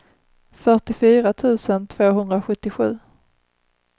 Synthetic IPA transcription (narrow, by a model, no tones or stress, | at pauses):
fœʈɪfyːɾat̪ʰʉ̟ːsənt̪ʰv̥oːɦɵnd̪ɾaɧɵt̪ːɪɧʉ̟ː